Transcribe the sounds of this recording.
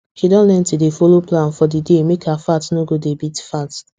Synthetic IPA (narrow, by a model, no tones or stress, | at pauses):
ʃidɔ̃nlɛ̃ntudefɔloplãnfɔdidemekʰaafatnoɡodebitfat